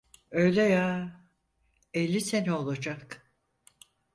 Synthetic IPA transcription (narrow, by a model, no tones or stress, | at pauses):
øjlʲejaː | elʲːise̞nio̞lˠad͡ʒak